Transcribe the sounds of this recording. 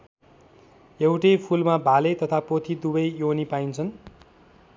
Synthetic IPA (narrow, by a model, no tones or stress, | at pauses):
ewʈʌjpʰulmabʱalet̪ʌt̪ʰapot̪ʰid̪ubʌjjonipajnt͡sʰʌn